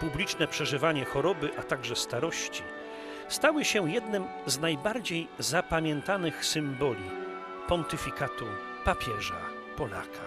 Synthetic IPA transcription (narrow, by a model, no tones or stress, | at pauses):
publʲit͡ʂnɛpʂɛʐɘvaɲɛxɔɾɔbɘʔat̪aɡʐɛst̪aɾɔɕt͡ɕi | st̪awɘɕɛjɛd̪nɘm | znajbaɾd͡ʑejzapamʲjɛnt̪anɘxsɘmbɔlʲi | pɔnt̪ɘfʲikat̪u | papʲjɛʐa̰ | pɔla̰kʰa